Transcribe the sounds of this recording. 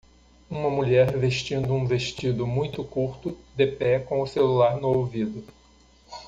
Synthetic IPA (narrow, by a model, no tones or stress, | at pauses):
ũmɐmuʎɛɾveʃt͡ʃĩnd̪ʊũveʃt͡ʃid̪ʊmũj̃t̪ʊkuɾt̪ʊd̪epɛkõʊselulaɾnʊowvid̪ʊ